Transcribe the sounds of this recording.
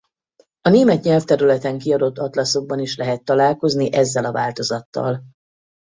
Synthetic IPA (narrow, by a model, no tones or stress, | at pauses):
ɒneːmɛt̪ɲɛlft̪ɛɾylɛt̪ɛŋkiɒd̪o̞t̪ːɒt̪lɒso̞ɡ̚bɒniʃlɛɦɛt̪ːɒlaːlko̞zniʔɛzːɛlɒvaːlt̪o̞zɒt̪ːɒ̰l